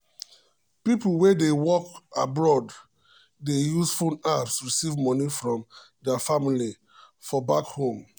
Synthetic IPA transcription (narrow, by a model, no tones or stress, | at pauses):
pipl̩ˠwɛdewɔkabɹɔd | dejusfõnapsɹisivmɔnifɹɔ̃mdɛafamili | fɔbakhõm